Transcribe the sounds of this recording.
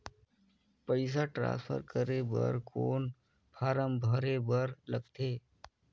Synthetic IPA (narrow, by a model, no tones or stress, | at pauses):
pəɪs̬aʈɾã̰ːnspʰə̰ɾkəɾebə̰ɾkʰoːn | pʰaːɾəmbʱəɾebəɾləɡt̪ʰeː